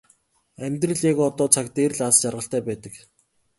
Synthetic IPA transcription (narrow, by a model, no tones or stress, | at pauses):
æmʲt̪rɘ̆ɮaɣɔt̪ɔːt͡sʰak̚t̪eːrɮast͡ɕarʁə̆ɬt̪æːpæːt̪ə̆k